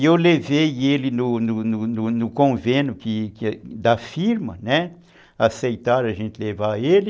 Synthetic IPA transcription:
ewlevejelɪnʊnʊnʊnʊnʊkõvẽnjʊkɪkd̪ɐfiɾmɐnɛ | asejt̪aɾɐʒẽnt̪ɪlevaelɪ

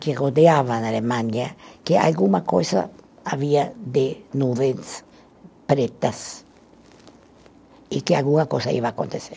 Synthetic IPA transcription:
keroðeaβanalemãɲjakea̰lɡumako̰sa̰ | aβiad̪enuβens | pɾet̪as | ikealɡuŋakosaḭβaːko̰nt̪ese

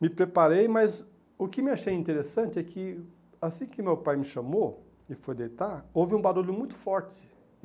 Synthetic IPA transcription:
mɪpɾepaɾejmɐz | ʊkɪmɪaʃejĩnt̪eɾesɐ̃nt͡ʃɪɛkʰɪ | asĩkɪmewpajmɪʃɐ̃mo | ɪfojd̪ejt̪aɾovɪũbaɾoʎʊmũj̃t̪ʊ̥fɔɾt͡ʃɪ̥

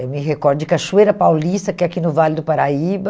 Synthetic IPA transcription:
ewmɪɦekɔɾd̪ʊd͡ʒɪkɐʃuejɾɐpawlist̪ɐkɛakinʊvalɪd̪ʊpaɾaibɐ

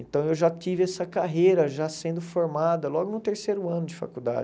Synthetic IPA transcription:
ẽnt̪ɐ̃w̃ewʒat͡ʃivɪɛsɐkaɦejɾɐʒasẽnd̪ʊfoɾmad̪ɐlɔɡʊnʊ̃t̪eɾsejɾʊɐ̃nʊd͡ʒɪfa̰kud̪a̰d͡ʒ

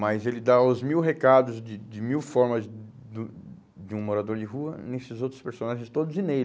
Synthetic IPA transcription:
mɐjzelɪd̪aʊzmiwɦekad̪ʊzd͡ʒɪd͡ʒɪmiwfɔɾmɐz | d̪ũ | d͡ʒɪũmoɾad̪oɾd͡ʒɪɦuɐnesɪzowt̪ɾʊ̥speɾsonaʒẽst̪od̪ʊzinej

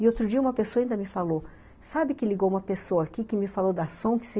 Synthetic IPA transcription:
ɪot̪ɾʊd͡ʒiɐũmɐpesoɐaĩnd̪ɐmɪfalo | sabɪkɪliɡowumɐpesowɐakikɪmɪfalod̪ɐsõw̃kɪ̥se

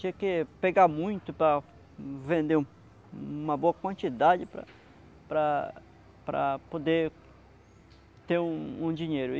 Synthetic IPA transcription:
t͡ʃĩɐkɪpeɡamũj̃t̪ʊpɾɐ | vẽnd̪ẽ | ũmɐboɐkwɐ̃nt͡ʃid̪ad͡ʒɪpɾɐ̰ | pɾɐ | pɾɐ̰pod̪e | t̪eɾũũd͡ʒĩɲejɾʊ

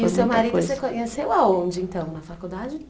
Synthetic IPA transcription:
sewmaɾid̪osekõɲesewaõd͡ʒɪẽnt̪ɐ̃w̃nɐfakud̪ad͡ʒɪ

